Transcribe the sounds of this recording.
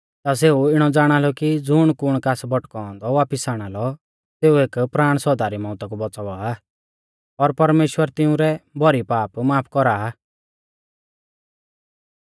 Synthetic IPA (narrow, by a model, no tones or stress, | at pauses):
t̪as̬eːuɪɽ̃ɔd͡zaːɽ̃alɔkid͡zʊɽ̃kʊɽ̃kaːsbɔʈkɔɔ̃nd̪ɔʋaːpɪsaːɽ̃alɔ | seːueːkpɾaːɽ̃sɔd̪aːɾimɔ̃ːt̪ak̬ubɔt͡saʋaː | ɔɾpɐɾmeːʃwəɾt̪ɪũɾɛbʱɔɾipaːpmaːpʰkɔɾaː